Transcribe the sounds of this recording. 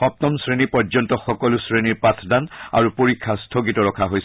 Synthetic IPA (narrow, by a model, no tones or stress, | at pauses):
xɔp̚tɔmsɹenipɔɹzɔntɔxɔkɔlʊsɹeniɹpatʰdana̰ɹupoɹikʰːastʰoɡitɔɹɔkʰaɦojs